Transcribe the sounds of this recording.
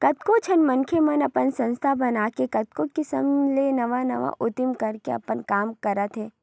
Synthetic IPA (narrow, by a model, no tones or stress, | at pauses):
kɐt̪kot͡ʃʰɐnmɐnkʰemɐnɐpənsɐ̃nst̪ʰabɐnaːkekɐt̪̚kokɪsə̰mlenɐʋanɐʋa̰ʔʔʊt̪ɪmkɐɾkeɐ̰pənkaːmkɐɾət̪ɦɛː